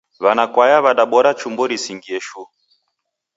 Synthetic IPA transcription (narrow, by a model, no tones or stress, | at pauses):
βanakwajaβaɗaɓɔɾat͡ʃumbɔɾisiŋɡiɛʃu